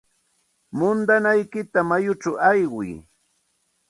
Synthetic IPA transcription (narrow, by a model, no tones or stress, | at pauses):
mʊnd̪anajkɪt̪amajʊt͡ʃawajɢʊj